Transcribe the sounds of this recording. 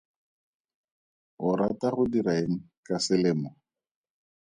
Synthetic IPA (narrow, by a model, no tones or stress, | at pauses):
ʊɾataχʊdiɾaeŋ̩ | kasɪlɪːmɔ